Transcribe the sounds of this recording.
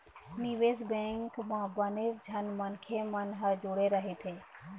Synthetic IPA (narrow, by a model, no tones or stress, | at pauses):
niʋeːzbɛ̃ːŋkmãbəneɾd͡ʒʱɐnmənkʰemənɦəd͡ʒʊɽeɾəɦet̪ʰeː